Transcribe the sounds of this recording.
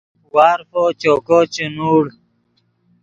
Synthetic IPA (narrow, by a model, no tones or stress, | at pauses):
waːɾfot͡ʃokot͡ɕenuːɽ